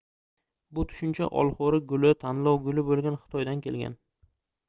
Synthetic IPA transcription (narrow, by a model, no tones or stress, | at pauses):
bʊt̪ʰʊ̥ʃɪnt͡ʃʰa̰ʔɒ̰lˠχoɾɪɡʊlɪt̪ʰanlɒwɡʊlɪbolˠɡʲanχɨ̥t̪ʰɒjd̪ankʲʰe̞lɡʲa̰n